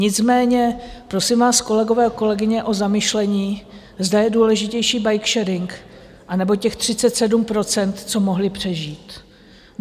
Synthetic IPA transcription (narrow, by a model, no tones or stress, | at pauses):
ɲɪt͡smɛːɲɛpɾo̞sɪmvaːsko̞lɛɡo̞vɛːko̞lɛɡɪɲɛʔo̞zamɪʃlɛɲiː | zdajɛduːlɛʒɪcɛjʃiːbajkʃɛɾɪŋk | ʔanɛbo̞cɛxt̪r̝̥ɪt͡sɛt̪sɛdumpɾo̞t͡sɛnt̪t͡so̞mo̞ɦlɪpr̝̥ɛʒiːt̪